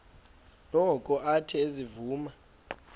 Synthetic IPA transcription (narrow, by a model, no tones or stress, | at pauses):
nɔkʼɔʔatʰɛezivuːma